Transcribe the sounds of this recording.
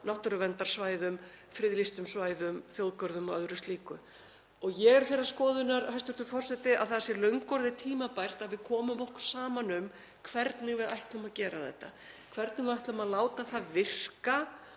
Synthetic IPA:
nawht̪ʏɾʏvɛnt̪aɾ̥svaːjðʏm | fɾɪðlist̪ʏmsvaːjðʏmθjowðkœɾðʏmɔœðɾʏst̪liːkʏ | ɔɣjɛɣɛɾ̥θejɾaɾ̥skɔːðʏnaɾhajst̪ʏɾ̥t̪ʏfɔr̥sɛt̪ɪaðθaðasɛlœɥŋkːɔɾðɪt̪ʰiːmapajr̥t̪aðvɪðkʰɔːmʏmɔhkʏɾ̥saːmanʏm | kʰvɛɾt̪nɪɣvɪðajht̪lʏmaðcɛːɾaθɛ̰ht̪ːa | kʰv̥ɛɾt̪nɪɣvɪðajht̪lœmaðlaːwt̪aθaðvɪr̥ka

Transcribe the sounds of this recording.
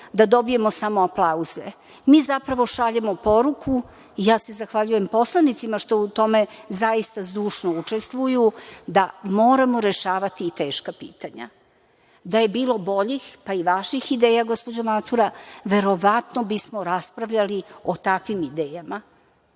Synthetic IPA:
d̪ad̪o̞bije̞mo̞samoaplˠauzḛ | miːzapɾaʋo̞ʃaʎemo̞po̞ɾukʰu | ijaːse̞zaxʋaʎuje̞mpo̞slˠanit̪simaʃt̪o̞ut̪o̞me̞zaist̪azuːʂnout͡ʂe̞st̪ʋujud̪amoːɾamoɾe̞ʃaːʋat̪iːt̪eːʃkapḭːt̪aɲa̰ | d̪aje̞biːlo̞bo̞ʎixpaiʋaʃixid̪eːjaɡo̞spo̞d͡ʑomat̪suɾaʋe̞ɾo̞ʋat̪nobismo̞ɾaspɾaʋʎalio̞t̪akʋimid̪eːjama

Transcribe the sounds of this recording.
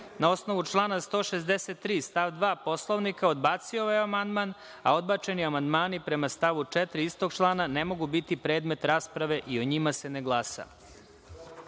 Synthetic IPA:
nao̞sno̞ʋut͡ʃlˠaːnast̪o̞ːʃezd̪eset̪ːɾiːst̪aʋd̪ʋaːpo̞slˠoʋnikaod̪baːt̪sioʋajeamand̪man | a̰o̞d̪bat͡ʃe̞niamand̪maːnipɾe̞mast̪aʋut͡ʂet̪ɾiist̪oɡ̚t͡ʃlˠaːnanemo̞ɡubit̪ipɾe̞ːd̪me̞t̪ɾaːspɾaʋe̞ʔio̞ɲimase̞neɡlˠaːsa̰

